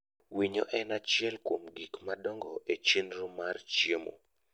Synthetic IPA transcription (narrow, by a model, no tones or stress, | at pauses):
wiɲoʔɛnat͡ʃjɛlkwomɡikmadɔŋɡɔʔet͡ʃenɾʊmart͡ʃjemo̰